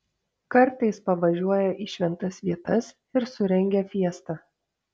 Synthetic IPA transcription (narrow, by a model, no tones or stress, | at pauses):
kɐɾˑt̪ɐɪspɐʋɐʒʲuɔjɛʔiːʃʲʋʲɛnt̪ɐsʋʲiɛt̪ɐs | ɪɾsʊɾʲɛŋʲɡʲɛfʲiɛst̪ɐ